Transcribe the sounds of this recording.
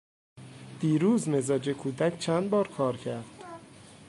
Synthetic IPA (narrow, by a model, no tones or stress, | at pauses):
d̪̥iːɾuːzme̞zɒːd͡ʒekʰuːd̪æcʰt͡ʃʰænd̪bɒːɾkʰɒːɾcʰæɾd̪̥